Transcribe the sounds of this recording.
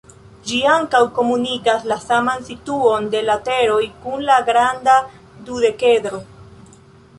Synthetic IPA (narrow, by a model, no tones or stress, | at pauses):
d͡ʒiaŋkawko̞munikaslasamansituo̞nde̞late̞ɾo̞jkunlaɡɾanda | dude̞ke̞dɾo̞